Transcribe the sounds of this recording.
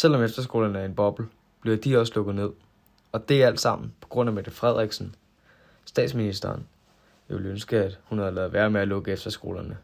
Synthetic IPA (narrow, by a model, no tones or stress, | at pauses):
sel̰ɒ̽mefd̥ɐsɡ̥o̝ːlɐnəæɐe̝nb̥ɒ̽b̥l̩ | b̥liɐd̥iɒ̽səlɔ̽ɡ̥ð̩ˠne̝ð̞̰ˠ | ɒ̽d̥e̝æl̰d̥sɑ̈m̰n̩pʰɒ̥̽ɡ̥ʁɔ̽n̰æmæd̥efʁɛð̞̰ˠʁɛɡ̥sn̩ | sd̥ɛ̰ːd̥sminisd̥ɐːn | elønsɡ̥əæd̥hunhæðˠlɛːð̩ˠʋæɐmeælɔ̽ɡ̥əefd̥ɐsɡ̥o̝̰ːlɐnə